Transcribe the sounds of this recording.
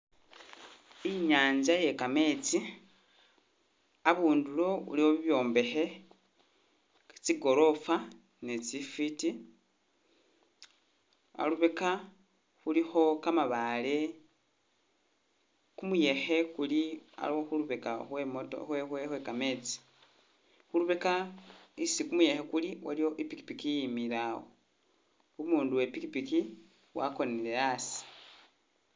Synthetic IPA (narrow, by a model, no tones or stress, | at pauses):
iɲaːɲzaje̞kame̞t͡si | aβuːndulo̞ṵliwoβiβjo̞ːmbe̞xe̞ | t͡siɡo̞ɾo̞fa | net͡sifiti | a̰luβeka | xulixo̞kamaβale̞ | kumuje̞xe̞kulia̰loxuluβekaxwemoto̰xwexwexwekame̞t͡si̥ | xuluβekaisikumuje̞xe̞kuliwalijo̞ʔipiki̥pikijimiɾawo | umuːnduwepikipiki | wa̰ko̞neleasi̥